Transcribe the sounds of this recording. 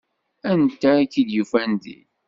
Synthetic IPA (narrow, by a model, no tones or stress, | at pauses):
ænt̪ækid̪jufænd̪ḭ